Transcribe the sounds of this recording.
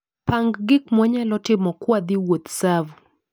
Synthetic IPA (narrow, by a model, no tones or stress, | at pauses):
paŋɡɡɪkmwaɲalɔtɪmɔkwad̪iwot̪savu